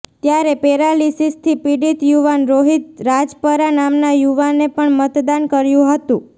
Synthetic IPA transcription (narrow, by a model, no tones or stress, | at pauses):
t̪jaɾepeɾalisist̪ʰipiɽit̪juʋanɾoɦit̪̚ɾad͡ʒpəɾanamnajuʋanepəɳmət̪d̪ankəɾjũɦət̪ũ